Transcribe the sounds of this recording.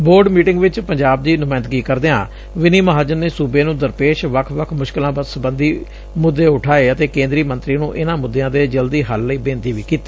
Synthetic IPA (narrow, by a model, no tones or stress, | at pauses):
boːɾɖmiːʈɪ̃ŋɡʋɪt͡ʃpəɲd͡ʒaːb̚d̪iːnʊmaːɪnd̪ɡiːkəɾd̪eːã̰ː | ʋɪniːməɦaːd͡ʒənːeːsuːbeːnũːd̪əɾpeːʃʋəkʰʋəkʰmʊʃkɪlãːbəd̪səbənd̪iː | mʊd̪ːeːʊʈʰaːeːət̪eːkẽːnd̪ɾiːmənt̪ɾiːnũːʔɪnãːmʊd̪ːeãːd̪eːd͡ʒəld̪iːɦəlːəiːbẽːnt̪iːʋiːkiːt̪i̥ː